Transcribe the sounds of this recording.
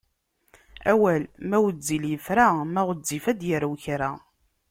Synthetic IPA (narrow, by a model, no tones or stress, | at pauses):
æwælmæwəd͡zːiljəfɾamæʁəd͡zːifæd̪jəɾwçɾa